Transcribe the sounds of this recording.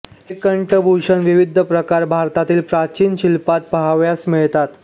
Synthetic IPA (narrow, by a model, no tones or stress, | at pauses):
ɦekːəɳʈəbʱuɕənʋiʋid̪ʱəpɾəkaɾbʱaɾt̪at̪iːlpɾat͡ɕiːnɕilpat̪̚pəɦaʋjasmiɭt̪at̪